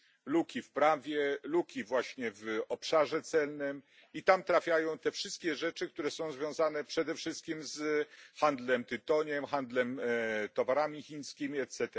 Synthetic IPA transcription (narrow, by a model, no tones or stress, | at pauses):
lukʲifpɾavʲjɛlukʲivwaɕɲɛvɔpʂaʐɛt̪sɛlnɘm | it̪amt̪ɾafʲjajɔ̃w̃t̪ɛfʂɘst̪̚kʲɛʐɛt͡ʂɘkt̪uɾɛsɔ̃w̃zvʲjɔ̃w̃zanɛpʂɛd̪ɛfʂɘst̪̚kʲimzxand̪lɛmt̪ɘt̪ɔɲɛmxand̪lɛmt̪ɔvaɾamʲixʲiɲskʲimʲiɛt̪sɛt̪ɛ